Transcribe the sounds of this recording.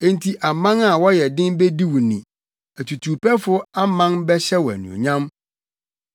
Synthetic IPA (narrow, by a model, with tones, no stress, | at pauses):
ẽ˦ntʰi˦ʔa˨mã˦ŋa˦˨wɔ˦jɛ˨dɪ̃˦nbe˦di˦wu˨nĩ˨ | æ˨tʰu˨tʰuː˨pʰɛ˦fʊ˦a˦mã˦nbɛ˦ɕɛ˦wɔ˨æ̰˨nũ˨o̰˨ɲã˦m